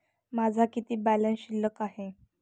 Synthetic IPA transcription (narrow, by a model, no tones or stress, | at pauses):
mad͡zʱakit̪iːbælənɕilːəkaɦe